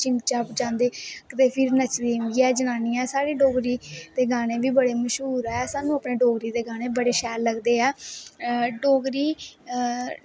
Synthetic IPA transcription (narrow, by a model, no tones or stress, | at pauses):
t͡ʃɪnt͡ʃaːpd͡ʒãːnd̪eːkət̪eːpʰɪɾnət͡ʃɾeːmɡiɛːd͡ʒənaːnijɛ̃ːsaːɾiːɖoːɡɾiːd̪eːɡaːɽ̃eːʋiːbəɽeːməʃɦuːɾːɛːsaːnũəpneːɖoːɡɾiːd̪eːɡaːɽ̃eːbəɽeːʃɛːlːəɡd̪eːaː | ɖoːɡɾiː